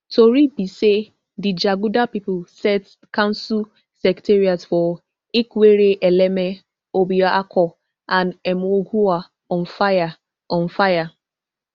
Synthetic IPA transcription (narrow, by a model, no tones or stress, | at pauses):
tʰoɾibise | did͡ʒaɡudapipʊlsɛt | kãnsu | sɛkteɾiatfɔ | ikweɾeʔeleme | obiaʔakʰɔ | anɛmoɡuwa | ɔn̩faja | ɔ̃n̩faja